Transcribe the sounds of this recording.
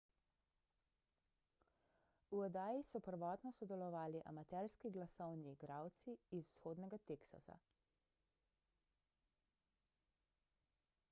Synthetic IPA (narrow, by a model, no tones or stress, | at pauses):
uɔd̪aːjisɔpəɾʋɔːt̪nɔsɔd̪ɛlɔʋaːliʔa̰mat̪ɛɾskiɡlasɔwniɡɾawt̪siːzusxoːd̪nɛɡat̪eksa̰sa̰